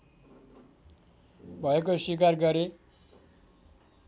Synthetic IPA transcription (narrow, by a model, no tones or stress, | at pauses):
bʱʌekoswik̬arɡʌɾe